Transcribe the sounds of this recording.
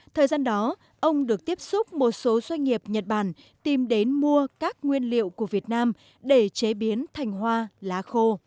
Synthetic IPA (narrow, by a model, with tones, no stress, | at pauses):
t̪ʰəː˨˩jzaː˧nɗɔ˨˦ | ʔə˧wŋ͡mɗɨ˨˩ək̚t̪i˦˥əp̚sʊ˦˥k͡p̚mo˨˩t̚so˨˦zwa˧jŋ̟ŋi˨˩əp̚ɲə˨˩t̚ɓaː˧˩n | t̪i˨˩mɗe˨˦nmu˧əkaː˦˥k̚ŋwi˧ənlḭ˧˨əwku˧˩əvi˨˩ət̚naː˧m | ɗe˧˩t͡ɕe˨˦ɓi˨˦ənt̪ʰa˨˩jŋ̟ɦwaː˧laː˨˦xo˧